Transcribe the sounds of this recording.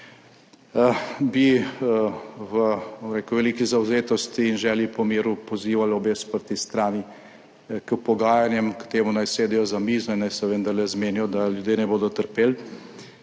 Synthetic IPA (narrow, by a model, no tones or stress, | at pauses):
bi | ʋəmɾekuʋɛliːkizawzeːt̪ɔst̪iːnʒɛːljipɔmeːɾupɔziːʋalobeːspəɾt̪ist̪ɾaːni | kɛwpɔɡaːjanjɛmkt̪eːmunajseːd̪ɛjɔzamiːznɔnːajsɛʋənd̪aɾlɛzmeːnjɔd̪aljud̪jeːnɛboːd̪ɔt̪əɾpeːl